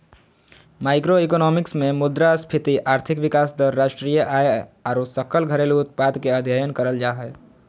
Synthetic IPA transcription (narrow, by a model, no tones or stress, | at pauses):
maːɪkɾoekɔːnɔːmɪksmẽmʊd̪ɾaspʰɪt̪iʔaːɾt̪ʰɪkʋɪkaːsd̪əɾːaːʃʈɾijəʔaːeɔːɾosəkəlɡʱəɾelʊt̪̚paːd̪keəd̪ʱjəjənkəɾəld͡ʒaːɦɛ